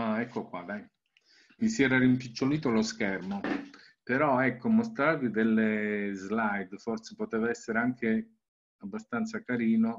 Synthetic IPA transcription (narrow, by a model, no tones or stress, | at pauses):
aɛkːokwad̪aj | misjɛːɾaɾimpit͡ʃːoliːt̪oloskɛrmo | peɾɔɛkːomost̪ɾavid̪elːezlajd̪forse̥pot̪eːvaɛsːeɾeaŋkʰe | abːast̪ant̪sakaɾiːno